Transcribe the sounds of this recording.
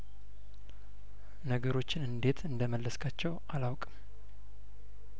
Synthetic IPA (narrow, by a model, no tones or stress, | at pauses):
nəɡəɾo̞t͡ʃːɪnɨnd̪e̞t̪ʰɨnd̪əməlːəskʰat͡ʃːɛw | alawkʼm